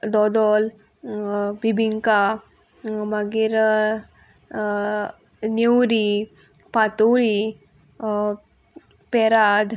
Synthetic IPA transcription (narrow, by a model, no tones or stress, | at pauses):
d̪ɔd̪ɔl | bʱibʱiŋka | maɡiɾ | niwɾi | pat̪uɭi | pɛɾad̪